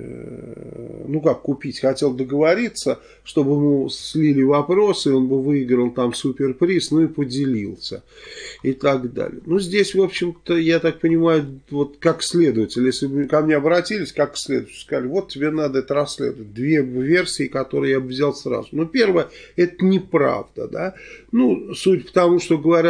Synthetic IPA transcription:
nukakːʊpʲitʲxɐtʲe̞lˠd̪əɡəvɐɾʲit̪sə | ʂt̪o̞bɨjɪmusʲlʲilʲɪvɐpɾo̞sɨo̞nbɨvɨɪɡɾəlˠt̪amsupʲɪrpɾʲisnuipədʲɪlʲilˠsʲə̰ɪt̪aɡd̪a̰lʲɪ̰jənuzʲdʲesʲvo̞pɕːɪmt̪əjat̪ak̚pənʲɪmajʊvo̞t̪kaksʲlʲe̞d̪əvətʲɪlʲjesʲlʲɪbkɐmnʲeɐbɾɐtʲilʲɪsʲkaksʲlʲed̪ʊvtʲɪ̥lʲskɐzalʲɪvo̞t̪̚ʲtʲɪbʲenad̪əɛt̪əɾɐsʲːlʲḛd̪əvət̚ʲd̪vʲevʲersʲɪːkɐt̪o̞ɾɨjjabɨvzʲalˠsɾa̰zʊnopʲe̞rvəjəɛt̪ənʲɪpɾa̰vd̪ə̰d̪anusutʲpə̥t̪ɐmuʂt̪o̞ɡəvɐɾʲ

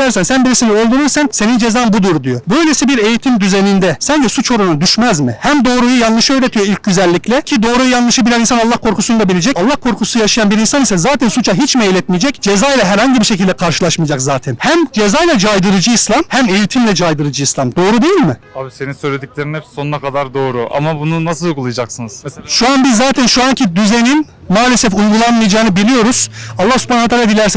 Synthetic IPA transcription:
æɾsænsænbiɾisinɛølʲd̪yɾyɾsænse̞nind͡ʒe̞zaːmbud̪uɾd̪ijobø̞jlʲesibiɾe̞jit̪ʰimd̪yzenind̪ɛsɛnd͡ʒʰisut͡ʃʰo̞ɾunad̪yʃmæzmɪhæmd̪o̞ːɾujujanlˠɯʃɯø̞jɾe̞t̪ʰijoilʲc̚ɟyzælʲːiclʲɛcʰid̪o̞ːɾujujanlˠɯʃɯbilʲɛninsanalˠːahkʰo̞ɾkʰusund̪abilʲed͡ʒɛcalˠːahkʰo̞ɾkʰusujaʃajanbiɾinsanisɛzaːt̪ʰɛnsut͡ʃʰaɦit͡ʃmejlʲɛt̪̚mijed͡ʒɛcd͡ʒe̞zaːjlˠaɦæɾhaɲɟibiɾʃe̞cʰilʲd̪ɛkʰaɾʃɯ̥lˠaʃmɯjd͡ʒakzaːt̪ʰɛnhæmd͡ʒe̞zajlʲˠad͡ʒajd̪ɯɾɯd͡ʒɯislˠamhæme̞jit̪ʰimlʲɛd͡ʒajd̪ɯɾɯd͡ʒɯislˠamd̪o̞ːɾud̪e̞jilʲmɪabise̞ninsøjlʲed̪icʲlʲeɾinhɛpsso̞nunakʰad̪aɾd̪o̞ːɾuʔa̰mabununasɯlˠuɡulˠajad͡ʒaksɯnɯz̥ʃuanbizːaːt̪ʰɛnʃuaɲcʰid̪yzenin | maːlʲesɛfuɡulˠanmɯjad͡ʒaːnɯbilʲijo̞ɾuz̥alˠːahsypʰanavɛt̪ʰalaad̪ilʲæɾs

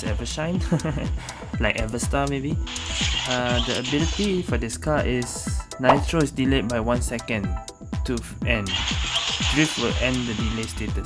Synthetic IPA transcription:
sɛvəʃãɪ̃n | laɪkɛvəstamebi | adəəbilitifɔdɪskaʔɪsnaɪtʰɹoɪsdilet̚bajwãnsɛkə̃n | tufɛ̃n | dɹifwɪlɛ̃ndədilestetəs

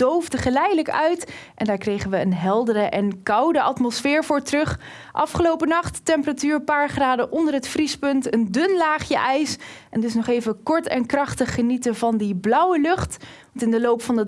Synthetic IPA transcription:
d̥owvdəχəlɛjdələkœɥtʔɛndaːɹkrejχənʋəːnɦɛlˠdərəʔɛnkɑwdəʔɑtmɔsfɪːɹvʊːɹtrɵχ | ʔɑ̰fχəlowpənɑχtːɛmpəratyːɹpaːɹχraːdəʔɔndərɦətfrispɵntəndɵnlaːχjəʔɛjsɛndʏsnɔχejvəkɔɹtɛ̰nkrɑχtəχːənitəvɑndiblʌwəlɵχtʋɑntɪndəlowpfɑndə

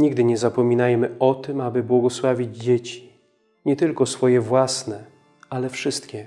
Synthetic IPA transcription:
ɲiɡd̪ɘɲɛzapɔmʲinajmɘɔt̪ɘmabɘbwɔɡɔswavʲid͡ʑd͡ʑet͡ɕi̥ | ɲɛt̪ɘlkɔsfɔjɛvwasnɛ | alɛfʂɘst̪kʲɛ

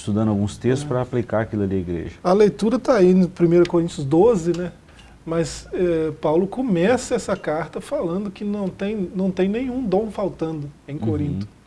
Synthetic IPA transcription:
st̪ud̪ɐ̃nd̪awɡũst̪est̪ʊspɾɐaplikaɾakilɐliɐiɡɾḛʒɐɐlejt̪uɾɐt̪ainʊpɾimejɾɐkoɾĩnt̪ʊzd̪ozɪnɛ | mɐsɛpawlʊkomɛsɐɛsɐkaɾt̪ɐfalɐ̃nd̪ʊkɪnɐ̃w̃t̪ẽj̃nɐ̃w̃t̪ẽj̃nẽj̃ũd̪õw̃fawt̪ɐ̃nd̪ʊẽj̃koɾĩnt̪ʊ̥

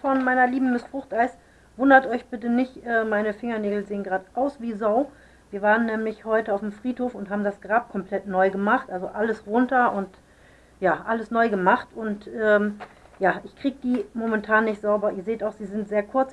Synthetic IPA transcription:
fɔnmaɪnɐliːbm̩mɪstfʁ̥ʊχtʔaɪs | vʊndɐtʔɔʏçb̥ɪtənɪçtʔɛːmaɪnəfɪŋɐneːɡl̩zeːənɡʁaːdʔaʊsv̥iːzaʊ | viːɐvaːʁənːɛːmlɪçhɔʏtəaʊfm̩fʁ̥iːthoːfʊntɦaːbm̩dasɡ̥ʁaːp̚kʰɔmpl̥ɛtnɔʏɡəmaχtʔalzoʔaləsʁʊntɐʔʊnt | jaːʔaləsnɔʏɡəmaχtʊntʔɛː | jaːʔɪçkʁ̥iːɡəd̥iːmomɛntʰaːnːɪçtz̥aʊbɐʔiːɐzeːtaʊxz̥iːzɪntz̥eːɐkʰʊɐt͡s

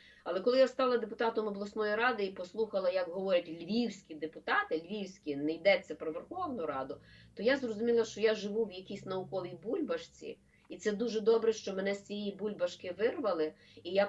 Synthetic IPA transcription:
ɐlˠɛkɔlˠɪjast̪ɑlˠɐd̪epʊt̪ɑt̪ɔmɔblˠɔsnɔjiɾɑd̪ɪipɔslˠuxɐlˠɐjɐkɦɔʋɔɾʲɐtʲlʲʋʲiwsʲkʲid̪epʊt̪ɑt̪ɪlʲʋʲiwsʲkʲinɛjd̪ɛt͡s̪ʲːɐpɾɔʋerxɔwnʊɾɑd̪ʊt̪ɔjazrɔzʊmʲilˠɐʃt͡ʃɔjaʒɪʋuwjɐkʲisʲnɐʊkɔʋʲijbulʲbɐʃt͡sʲḭ | it̪sɛd̪uʒɛd̪ɔbɾɛʃt͡ʃɔmɛnɛsʲt͡sʲijibulʲbɐʃkɪʋɪrʋɐlˠɪ | ija

